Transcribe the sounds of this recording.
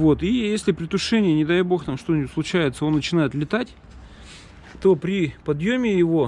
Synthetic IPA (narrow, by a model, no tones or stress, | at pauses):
vo̞t̪ijesʲlʲɪpɾʲɪt̪ʊʂɛnʲɪjənʲɪd̪ajbo̞xt̪amʂt̪o̞nʲslˠʊt͡ɕæjɪt̪səo̞nːət͡ɕɪnajɪt̪lʲɪt̪atʲ | t̪o̞pɾʲɪpɐd̪jomʲɪjɪvo̞